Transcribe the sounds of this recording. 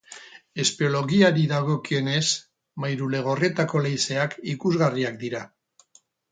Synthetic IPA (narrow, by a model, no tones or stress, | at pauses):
e̞speo̞lo̞ɣiaɾiðaɣo̞kie̞ne̞s | majɾule̞ɣ̞o̞re̞t̪ako̞lejse̞akikuzɣariakd̪iɾa